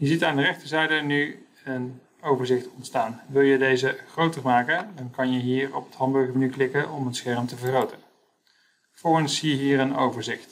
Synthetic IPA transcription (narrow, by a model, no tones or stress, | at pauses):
jəzitaːndərɛχtəɹzɛjdəny | ən | owvəɹzɪχtɔntstaːnʋɪlˠjədejzəχrowtərmaːkədɑnkɑnjəɦiːɹɔpətɦɑnbøɹχmənyklɪkəɔmənsχɛɹmtəvərχrowtən | fʊɹənsːijəɦiːɾənowvəɹzɪχt